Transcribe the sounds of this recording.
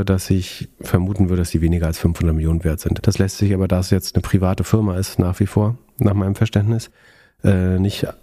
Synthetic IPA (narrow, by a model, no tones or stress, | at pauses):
ədasɪçfɛɐmuːtn̩vʏɐɾədasz̥iːveːnɪɡɐalsfʏnfhʊndɐt̚mɪljoːnənveːɐtz̥ɪntd̥aslɛstz̥ɪçʔaːbɐdasjɛt͡stnəpʁ̥ivaːtəfɪɐmaɪstnaːχv̥iːfoːɐ | naːχmaɪnəmfɛɐʃtɛntnɪs | ʔɛːnɪçt